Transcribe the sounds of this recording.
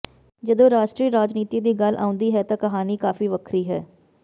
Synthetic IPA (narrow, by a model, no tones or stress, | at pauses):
d͡ʒəd̪õːɾaːʃʈɾiːɾaːd͡ʒniːt̪iːd̪iːɡəlʔa̰ːʊ̃nd̪iːɦɛːt̪ãːkəɦaːniːkaːfiːʋəkʰɾiːɦɛː